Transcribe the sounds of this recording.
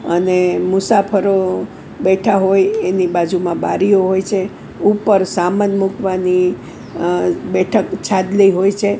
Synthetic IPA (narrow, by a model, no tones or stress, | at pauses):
ənemʊsafʰəɾo | bɛʈʰaɦojenibad͡ʒumãba̰ɾijoɦojt͡ʃʰe | upəɾsamənmukʋani | bɛʈʰəkt͡ʃʰad̪liɦojt͡ʃʰe